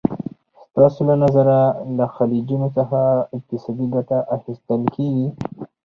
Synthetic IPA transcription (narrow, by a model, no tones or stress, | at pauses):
st̪ɑsolanazaɾalaxalid͡ʒunot͡səxaɪk̚t̪ɪsɑd̪iɡaʈaʔaxist̪əlkeɡi